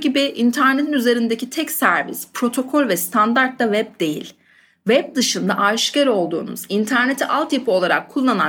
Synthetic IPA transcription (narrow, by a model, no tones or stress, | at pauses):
ɟibiʔint̪ʰæɾnet̪ʰinyze̞ɾind̪ecit̪ʰɛcsæɾvḭspʰɾo̞t̪ʰo̞kʰolʲvɛst̪ʰand̪aɾt̪ːavɛb̚d̪e̞jḭlʲ | vɛb̚d̪ɯʃɯnd̪aʔaʃcaɾo̞lˠd̪ṵːnṵzint̪ʰæɾne̞t̪ʰiʔalˠt̪jipo̞lˠaɾa̰kʰːulˠːana